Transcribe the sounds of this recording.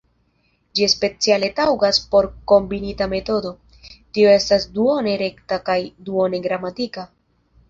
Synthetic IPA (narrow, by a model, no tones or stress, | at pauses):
d͡ʒiespe̞t͡siale̞tawɡaspo̞ɾko̞mbinitame̞to̞do̞ | tio̞e̞stasduo̞ne̞ɾe̞ktakajduo̞ne̞ɡɾamatika